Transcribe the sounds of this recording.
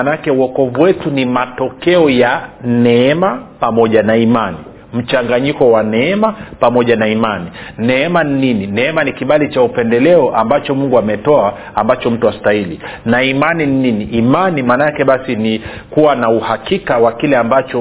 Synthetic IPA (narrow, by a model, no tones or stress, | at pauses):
anakɛuwɔkɔvuwɛtunimatɔkɛɔjanɛɛmapamɔʄanaimani | m̩t͡ʃaŋɡaɲikɔwanɛɛmapamɔʄanaimaninɛɛmaninininɛɛmanikiɓalit͡ʃaupɛndɛlɛɔʔambat͡ʃɔmuŋɡuamɛtɔa | ambat͡ʃɔm̩tuastailinaimaninininiʔːmanimanakɛɓasini | kuwanauhakikawakilɛambat͡ʃɔ